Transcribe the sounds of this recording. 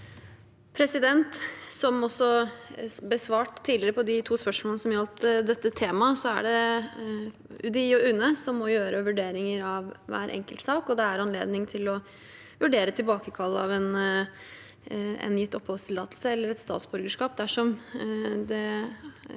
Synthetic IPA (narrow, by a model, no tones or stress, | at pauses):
pʰɾɛsɪd̪ɛnt̪sɔmɔsːɔ | bəsʋɑːʈt̪ʰːiːlɪɾəpʰɔd̪ɪt̪ʰuːspœʂmoːnəsɔmjɑlt̪d̪ɛt̪ːət̪ʰeːmɑsɔæ̰ɖɛ | ʉd̪ɪɔʉnəsɔmːɔjøːɾʔəʋʉɖeːɾɪŋəɾɑʋʋæ̰ːɾʔɛ̰ŋkəlt̪sɑːkɔd̪ɛæɾɑnlḛːd̪nɪŋt̪ʰɪlɔ | ʋʉɖeːɾət̪ʰɪlbɑːkəkʰɑlːɑ̰ʋɛn | ɛ̰njɪt̪ːɔpʰhɔlst̪ʰɪlɑːt̪l̩səɛlːəɾɛt̪st̪ɑ̰ːt̪sbʉɾɡəʂkɑːp̚d̪æʂɔm | d̪ɛ